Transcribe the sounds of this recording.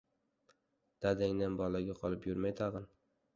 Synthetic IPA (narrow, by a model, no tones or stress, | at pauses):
d̪̥ad̪aŋnanbɒlaɡʲaqʰɒlˠɪpjʊɾmajt̪ʰaʁɨn